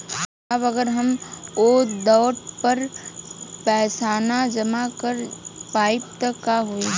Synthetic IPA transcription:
ɐbɐɡəɾɦɐmod̪ɔːʈpɐɾ | pɛːsaːnad͡ʒɐmakəɾpaːɪp̚t̪əkaɦoe

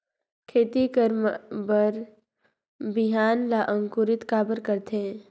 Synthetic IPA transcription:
kʰeːt̪ikəɾmbəɾ | bɪɦaːnlaːʔə̃ŋkʊɾɪt̪kaːbəɾkəɾt̪eɛ̃

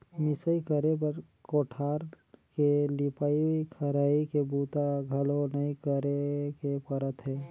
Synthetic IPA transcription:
mɪsəikəɾep̬əɾ | koːʈʰaːɾ | kelɪpaːikʰəɾaːikebuːt̪aɡʱɐlonɐĩkəɾekepəɾət̪ɦɛː

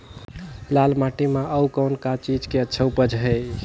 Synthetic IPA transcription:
lalmaʈimãʔəwkəwnkat͡ʃid͡ʒkeətːʃʰəwpəd͡ʒɦə

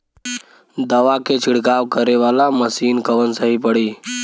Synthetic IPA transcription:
d̪əʋaket͡ʃʰiɽkaʋkəɾeʋalaməsiːnkəʋənsəɦipəɽiː

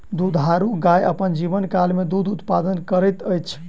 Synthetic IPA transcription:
d̪ud̪ʱɦaɾuɡajəpənd͡ʒiβənkalmed̪ud̪ʱut̪pad̪ənkəɾəjt̪əjt͡ʃʰ

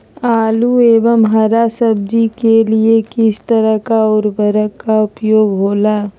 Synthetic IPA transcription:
aːlueːʋəmɦəɾasəb̚d͡ʒikeliekɪst̪əɾəɦkaʊːɾbəɾəkːaʊpjoːɡɦoːlaː

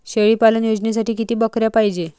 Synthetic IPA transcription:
ɕeɭiːpalənjod͡znes̬aʈiːkit̪iːbəkɾjapajd͡ʑe

